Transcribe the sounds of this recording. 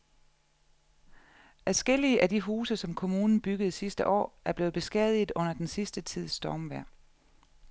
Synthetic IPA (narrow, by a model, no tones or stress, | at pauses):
ʔæsɡ̥el̰iəʔædiɦuːsəsɒ̽mkʰo̝muːnn̩b̥yɡ̥əð̩ˠsisd̥əʔɒ̰ːæɐb̥le̝ːð̩b̥e̝sɡ̥ɛðˠið̩ˠɔ̽n̰ɐd̥ensisd̥ət͡sʰið̞̰ˠsd̥ɒːmʋæɐ̰